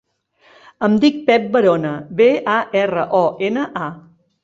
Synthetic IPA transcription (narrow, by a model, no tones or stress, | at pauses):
əmd̪ik̚pɛp̚bəɾonəβeaʔɛrəʔɔʔenəʔa